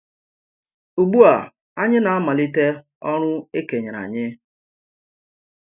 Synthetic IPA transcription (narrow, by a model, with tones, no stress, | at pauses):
u˨ɡ͡bu˦a˨ | a˦ɲɪ˦na˨a˦ma˨li˦te˦ | ɔ˦ɾ̃ʊ˦e˦ke˨ɲa˨ɾa̰˨ɲɪ˦